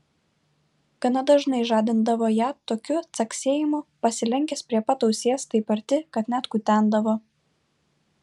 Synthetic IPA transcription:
ɡ̥ɐnɐd̪ɐʒnɐɪʒɑːd̪ʲɪnd̪ɐʋoːjæːt̪oːkʲʊt̪sɐkʲsʲeːjɪmʊpɐsʲɪlʲɛŋʲkʲɛspʲɾʲiɛpɐt̪ɒʊsʲiɛst̪ɐɪpɐɾʲt̪ʲɪkɐt̪nʲæt̪kʊt̪ʲæˑnd̪ɐʋoː

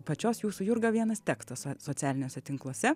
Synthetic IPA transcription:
pɐt͡ʃʲoːsjuːsʊjʊɾɡɐʋʲiɛnɐst̪ʲækst̪ɐssoːsʲæːlʲɪnʲoːsʲɛt̪ʲɪŋklˠuoɔsʲɛ

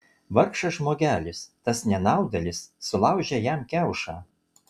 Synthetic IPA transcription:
ʋɐɾkʃɐʒmoːɡʲæːlʲɪst̪ɐsnʲɛnɑˑʊd̪ɐlʲɪsːʊlˠɑˑʊʒʲɛjæmkʲæˑʊʃɑː

